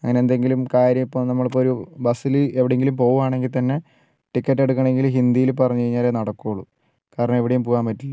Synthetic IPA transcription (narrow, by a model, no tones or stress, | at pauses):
ɐ̰ŋːɐneend̪e̞ŋɡilumkaːɾjɐmipːɐmnɐmːɐɭpoːɾubɐsilɨeʋiɽeŋɡilumpo̞ːɣumaːɳe̞ŋɡilt̪ɐnːe̞ | ʈikːɐʈːeɽukːɐɳe̞ŋɡilɦind̪ijilupɐrɐɲːukɐjiɲːaːleːnɐɽɐkːoːɭːu | kaːɾɐɳɐme̞ʋiɽejumpoːɣaːmpɐtːilːɐ